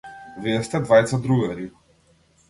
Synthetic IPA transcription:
vɛst̪ɛd̪vajt̪sad̪ɾuɡɛɾi

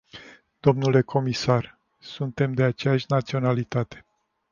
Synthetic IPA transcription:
d̪̥o̞mnule̞kʰo̞misar | sunt̪e̞md̪e̞at͡ʃejaʃʲnat̪sio̞nalit̪at̪e̞

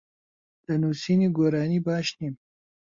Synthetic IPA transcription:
d̪̥ənusiniɡoɾɑːnibɑːʃnim

